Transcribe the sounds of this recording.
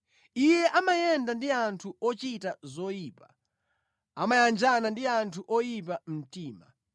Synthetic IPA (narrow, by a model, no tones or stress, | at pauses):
ijɛʔamajɛndandiantʰuʔɔt͡ʃitazɔjiːpa | amajand͡ʒanandiantʰuʔɔjip̬am̩tiːma̰